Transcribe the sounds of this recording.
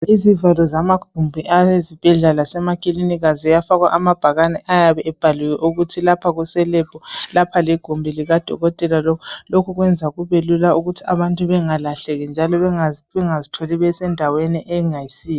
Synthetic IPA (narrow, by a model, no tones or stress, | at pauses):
izivalɔzamaɡ̥ʱumbʱiʔajezib̥ʱɛɮalasɛmakʼiliniɣazijafaɣwa̰ʔamab̥ʱaɣanɛʔajaβɛʔɛb̥ʱaluwɛʔuɣutʰilapʰaɣusɛlɛb̥ʱɔlapʰaliɡ̥ʱumbʱiliɣad̥ʱɔ̰ɣɔtʼɛlalɔkʰɔlokʰɔɣwɛnd͡zʱaɣuβelulauɣutʰiaβantʼuβɛŋalaɬɛɣɛnd͡ʒʱalɔɛaβɛŋazitʰɔliβɛsɛndʱaweniʔɛŋajisiːjɔ